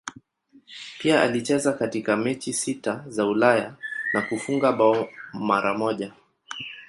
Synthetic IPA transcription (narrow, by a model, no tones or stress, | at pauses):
piaa̰lit͡ʃɛzakatikamɛt͡ʃisitazaulajanakufuŋɡaɓaɔmaɾamɔʄa